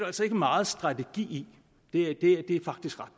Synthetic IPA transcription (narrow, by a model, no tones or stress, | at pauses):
ælsɒ̽e̝ɡ̥əmɑ̈ːð̩ˠsd̥ʁɑ̈deɡ̥ḭːi | d̥e̝æd̥e̝æd̥e̝æɐfɑ̈ɡ̥̚d̥isɡ̥ʁad̥